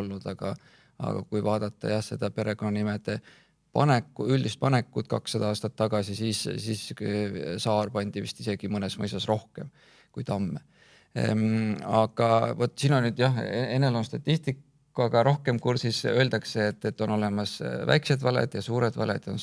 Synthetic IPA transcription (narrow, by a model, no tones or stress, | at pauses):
lːud̪̥ɑɡ̥ɑ̰ | ɑ̰ɡ̥ɑ̰kujvɑːd̪̥ɑt̪ːˑɑ̰jɑhse̞d̪̥ɑpe̞ɾe̞ɡ̥o̞nːɑnimed̪̥e̞ | pɑ̰nekːuylʲd̪ist̪̚pɑne̞kːˑud̪̥kɑksːɑd̪̥ɑɑːst̪ɑt̪ːɑɡ̥ɑsisiːssiːs | sɑːrpɑnʲd̪̥ivḭst̪ise̞ɡ̥imɤnesmɤjsɑsro̞hke̞m | kujt̪ɑmːe | ɑɡ̥ɑvo̞t̪ːˑsiːno̞nːyd̪̥jɑhee̞nːe̞lo̞nst̪ɑt̪ʲːist̪ikː | uɑɡ̥ɑɾo̞hke̞mkursisø̞ld̪̥ɑkse̞ːt̪ːet̪ːo̞no̞le̞mɑsvæ̰jksed̪vɑlḛd̪̥jɑsuːɾed̪vɑ̰lḛd̪̥o̞n